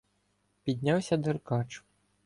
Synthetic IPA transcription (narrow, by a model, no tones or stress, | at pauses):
pʲid̪ʲnʲawsʲɐd̪erkɑt͡ʃʊ̥